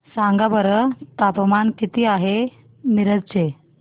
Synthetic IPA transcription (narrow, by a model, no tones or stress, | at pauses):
saŋɡabəɾət̪apmankit̪iːaɦe | niɾəd͡zt͡ɕe